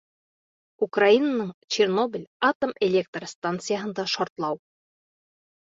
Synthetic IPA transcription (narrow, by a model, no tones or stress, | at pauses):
ukrainanɤɴt͡ɕerno̞bʲɪlʲat̪o̞melʲe̞k̚t̪rəst̪ant̪sɨjaɦɤ̆nd̪ɑʃɒɾt̪lˠɑw